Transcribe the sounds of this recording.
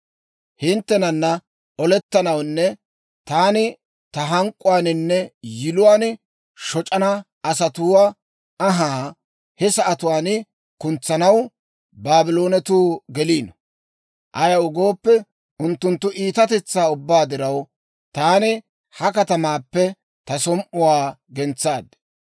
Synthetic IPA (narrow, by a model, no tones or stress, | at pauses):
hɪnt̪ːɛnɐnːɐ | ɔlɛt̪ːɐnɐwnːɛ | t̪aːnɪ | t̪ɐɦɐŋkʼːʊwaːnɪnːɛjɪlʊwaːn | ʃɔt͡ʃʼɐnɐ | ɐsɐt̪uːwaː | ɦaː | hɛsɐʔɐt̪ʊwaːnɪ | kʊnt͡sːɐnɐw | baːbɪlo̞ːnɛt̪uːɡɛliːnɔ | ʔɐjɐwʊɡoːpːɛ | ʔʊnt̪ːʊnt̪ːʊʔiːt̪ɐt̪ɛt͡sːaːʊbːaːd̪ɪɾɐw | t̪aːnɪ | hɐkɐt̪ɐmaːpːɛ | t̪ɐsɔmʔʊwaːɡɛnt͡sːaːd̪